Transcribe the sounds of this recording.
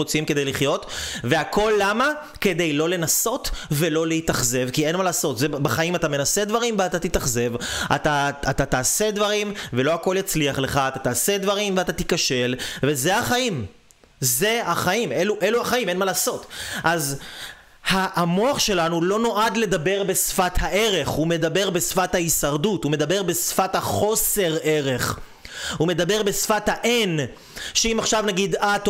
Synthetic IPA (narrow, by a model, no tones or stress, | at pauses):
ot͡simkede̞jliχjo̞tveako̞lːama | ke̞d̪e̞jlo̞le̞naso̞tve̞lo̞leit̪aχze̞vkie̞nmalaːso̞tzebaχaimat̪ame̞nase̞d̪vaʁimveat̪at̪it̪aχze̞va̰t̪aːt̪at̪aːse̞d̪vaʁimve̞lo̞ako̞ljat͡sliaχle̞χaːt̪at̪aːse̞d̪vaʁimveat̪at̪ikaʃe̞lve̞ze̞haχaim | ze̞haχaimeluʔeluaχaimenmalaːso̞t̪ʔaz | haʔːmo̞aχʃe̞lanulo̞no̞ʔad̪le̞dabe̞ʁbesfathaʔe̞ʁe̞χhume̞dabe̞ʁbesfathaisaʁdutume̞d̪abe̞ʁbe̞sfathaχo̞se̞ʁe̞ʁe̞χ | hume̞d̪abe̞ʁbe̞sfathaʔen | ʃeimaχʃavnaɡidat̪